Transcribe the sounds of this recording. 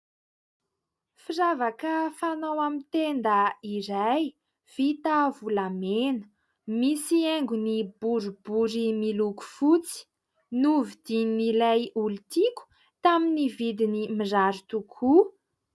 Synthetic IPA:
firavakəfanawamit̪end̪əiɾaj | v̥it̪avulamenə̥ | misieŋɡunibuɾubuɾimiluku̥fut͡si̥ | nuvid̪̥ininilajulut̪iku̥ | t̪aminivid̪inimizaɾut̪ukʰu

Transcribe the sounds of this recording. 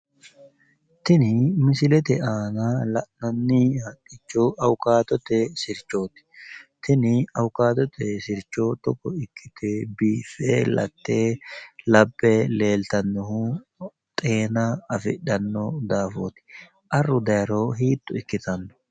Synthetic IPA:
t̪ɪnɪmɪsɪlɛt̪ɛʔaːnɐlɐʔnɐnːɪhɐtːɪt͡ʃːɔɐwʊkaːt̪ɔt̪ɛsɪɾt͡ʃːo̞ːt̪ɪ̥t̪ɪnɪɐwʊkaːt̪ɔt̪ʰɛsɪɾt͡ʃːoːt̪ɔkːɔɪkːɪ̥t̪ɛbiːfḛːlɐ̰t̪ːeːlɐbːɛle̞ːlt̪ɐnːɔhʊ | t̪ʼe̞ːnɐɐfɪ̰ɗɐnːɔd̪aːfo̰ːt̪ɪ̥ | ʔɐrːʊd̪ɐjɾoːɦiːt̪ːʊɪkːɪt̪ɐnːɔ̥

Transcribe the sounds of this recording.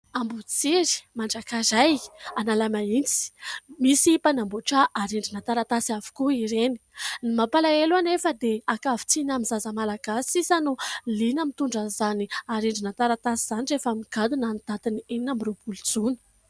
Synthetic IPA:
ambut͡siɾi̥maɳɖ͡ʐakazajanalamaint͡si̥misipanambuʈ͡ʂaʔaɾeɳɖ͡ʐinat̪aɾat̪asiavu̥kuiɾeni̥nimapalaeluanefəd̪eakavi̥t͡sinamizazəmalaɡasisanulinamit̪uɳɖ͡ʐazaniaɾeɳɖ͡ʐinant̪aɾat̪asiz̥anirefamiɡ̥ad̪unanid̪̥at̪inieinamiɾebulud͡zunə̥

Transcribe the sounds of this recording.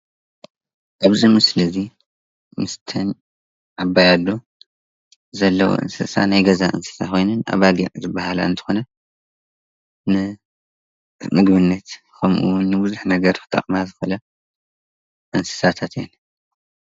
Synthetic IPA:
ʔaβzimɨslɨzi | mɨst̪ʰɨn | ʕaβːajalːo | zɐlːɐwo̰ʔɨ̰nsɐsa̰najɡɐzaʔɨ̰nsɨ̥sa̰xojnɨna̰βaɡḭʕzɨbːahala̰ɨnt̪ʰɨ̥xo̞nɐ | nɨ | mɨɡbɨnːɐt̪ | kʰɐmʔṵwʊnːɨbɨzuħnɐɡɐɾkʰɨ̥t̪ʰʼːɐ̰χʼmazɨxɐlɐ | ʔɨnsɨ̥sat̪ʰat̪jḛn

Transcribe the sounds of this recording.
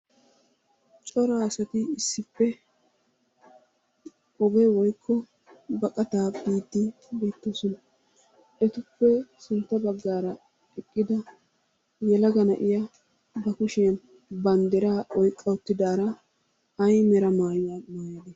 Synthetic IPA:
t͡ʃʼɔɾaːsɐt̪ɪɪsːɪpːɛ | ɔɡɛwɔjkʰːɔ | bɐkʼɐt̪aːbiːd̪ːɪ | beːt̪ːoːsɔnɐ | ʔɛt̪ʊpːɛsɪnt̪ːɐbɐɡːaːɾɐ | ɛkʼːɪd̪ɐ | jɛlɐɡɐnɐʔɪjɐ | bɐkʊʃɛjɐn | bɐnd̪ɛɾaːʔɔjkʼːɐʊt̪ːɪd̪aːɾɐ | ɐjmɛɾɐmaːjaːmaːjɐd̪ɛ

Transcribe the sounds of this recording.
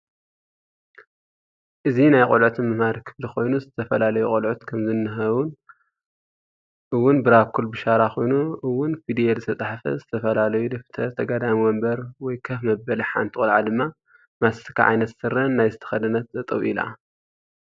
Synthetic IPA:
ʔɨzinajkʼolʕut̪mɨmad̪ɨkʰɨbd̪ɨxo̞jnuzɨt̪ʰɐfɐlalɐjukʼolʕut̪kʰɐmzɨnːɨɦɐwun | ʔɨwːʊnbɨɾakʰːulbɨʃaɾaxo̞jnuʔɨwːʊnfid̪ijezɨt̪ʰɐt͡sʼaħfɐ̰zɨt̪ʰɐfɐlalɐjud̪ɐft̪ʰɐt̪ʰɐɡad̪amiwɔmbɐɾwɔjkʰɐfmɐbːɐliħa̰nt̪ʰikʼulʕad̪ɨmːa | masːɨ̥kʰa̰ʕa̰jnɐt̪sɨɾɐnːajzɨt̪ʰɐ̥xɐd̪ɨnːɐt̪zɐt̪ʼɐwʔila̰

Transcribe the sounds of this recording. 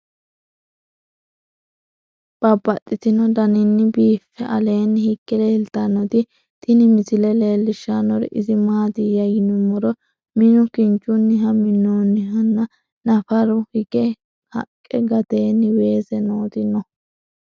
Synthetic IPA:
b̥ɐbːɐt̪ʼːɪt̪ɪnɔd̪ɐnɪnːɪbiːfːɛʔɐle̞ːnːɪhɪkːɛle̞ːlt̪ɐnːɔt̪ɪ | t̪ʰʼɪnɪmɪsɪlɛle̞ːlːɪʃanɔɾɛ̰ʔɪzɪmaːt̪ɪjɐjɪnʊmɔɾɔ | mɪnʊkɪnt͡ʃʼːʊnːɪɦɐmɪnonːɪɦɐnːɐ | nɐfɐɾʊhɪɡɛ | hɐ̰kʼːɛɡɐt̪e̞ːnːɪwe̞ːsɛnoːt̪ɪnɔ

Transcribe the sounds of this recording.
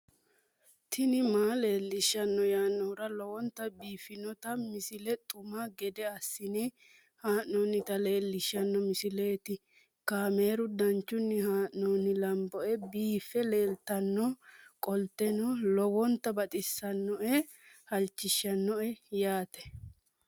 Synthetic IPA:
t̪ʰɪnɪmaːle̞ːlːɪʃːɐnːɔjaːnːɔɾɐlɔwɔnt̪ːɐbiːfɪnɔt̪ɐmɪsɪlɛt̪ʼʊmaɡɛd̪ɛɐsːɪnɪ | haːʔnoːnɪt̪ɐle̞ːlːɪʃːɐnːɔmɪsɪle̞ːt̪ɪ | kaːme̞ːɾʊd̪ɐnt͡ʃːʊnːɪhaːʔnoːnɪlɐmbɔʔɛbiːfːɛle̞ːlt̪ɐnːɔkʼɔlt̪ɛnɔlɔwɔnt̪ːɐbɐt̪ʼɪsːɐnːɔʔɛ | hɐlt͡ʃːɪʃːɐnːɔɛjaːt̪ɛ̥

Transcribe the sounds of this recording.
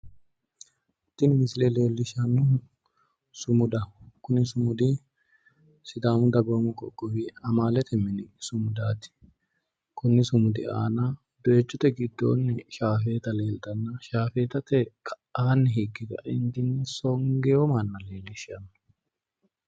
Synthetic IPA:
t̪ːɪnmɪsɪlɛle̞ːlːɪʃɐnːʊ | sʊmʊd̪ɐkʊnɪsʊmʊd̪ɪ | sɪd̪aːmʊd̪ɐbomʊkɔ̰ɡɔwɪɐmaːlɛt̪ʰɛmɪnɪsʊmʊd̪aːt̪ɪ̥ | kʊnːɪsʊmʊd̪ɪ̰a̰ːna | d̪ɔɛt͡ʃːɔt̪ɛɡɪd̪ːo̰ːnːɛʃaːfeːt̪ɐle̞ːlt̪ʼɐnːɐʃaːfeːt̪ɐt̪ɛkʰɐ | aːnːɛɦikːɪɡ̪ɐ̰ʔɪnt̪ɪnsɔŋɡɛjɔmɐnːɐle̞ːlːɪʃɐnːʊ

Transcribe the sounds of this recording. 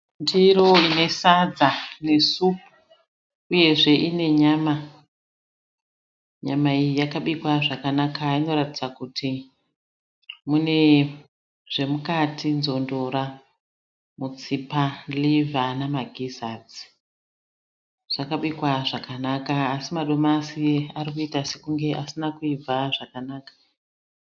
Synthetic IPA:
ndiɾo̞ine̞sad͡zane̞su | uje̞ʐe̞ʔine̞ɲama | ɲamaijijakaɓikwaʐakanakaino̞ɾatid͡zakutʰi | mune̞ | ʐ̥e̞mukatʰinzo̞ndo̞ɾa | mut͡sipalivʱanamaɡʱizad͡zi̥ | ʐ̥akaɓikwaʐakanakaːsimaɗo̞masiarikuitase̞kuŋɡe̞ʔasinakuib͡vaʐakanaːkḁ

